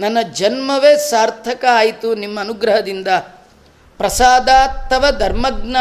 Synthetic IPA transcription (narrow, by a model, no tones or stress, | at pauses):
nɐnːɐd͡ʒɐnmɐʋeːsaːɾt̪ʰɐkɐaːjit̪unimːɐːnuɡɾɐɦɐd̪ind̪ɐ | pɾɐsaːd̪aːt̪ʰːɐʋɐd̪ʱɐɾmɐɡna